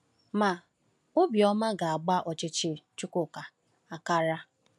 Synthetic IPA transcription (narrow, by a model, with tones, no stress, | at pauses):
ma˨ | ʊ˦bjɔ˦ma˦ɡa˨a˨ɡ͡ba˦ʔɔ˨t͡ʃɪ˨t͡ʃɪ˦t͡ʃʊ˦kʊ˦˨ka˨ | a˨ka˦ɾa˦